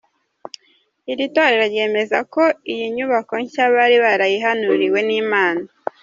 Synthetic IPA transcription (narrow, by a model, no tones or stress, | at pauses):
iɾitoɾeɾaɾje̞ːme̞zako̞ijiɲuβako̞ɲcaβaɾiβaɾajiɦanuɾiwe̞niːmaːna